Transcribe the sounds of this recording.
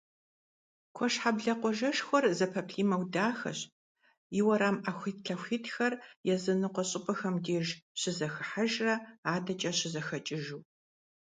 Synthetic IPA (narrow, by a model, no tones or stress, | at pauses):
kʷʰɔʂħabɮɐqʷɔʒɐʂxʷɔrzɐpʰɐpʰɬiːmɐwdaːxɐ̰ɕ | iwɐɾaːmaxʷiːtɬʰɐxʷiːtʰxɐrjɛzɨnɨqʷɔɕʼɪpʼɐxɐmdeːʒɕɪzɐxɨħaʒrɐaːdɐt͡ʃʼɐɕɪzɐxɐt͡ʃʼɪʒuː